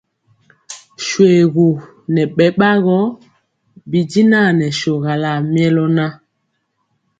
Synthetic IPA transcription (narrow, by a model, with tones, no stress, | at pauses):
ʃwe˨ɣu˨ | nɛ˨ɓɛ˨ɓa˦ɣɔ˦ | bi˨di˦na˦˨nɛ˨ʃo˨ɣa˨la˨mjɛ˦lɔ˦na˦